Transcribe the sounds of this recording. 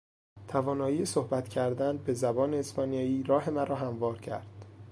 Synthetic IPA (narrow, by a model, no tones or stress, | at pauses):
t̪ʰævɒːnɒːjiːesohbæt̪cʰæɾd̪ænbe̞zæbɒːneːspʰɒːnijɒːiːɾɒːɦe̞mæɾɒːɦæmvɒːɾcʰæ̰ɾd̪̥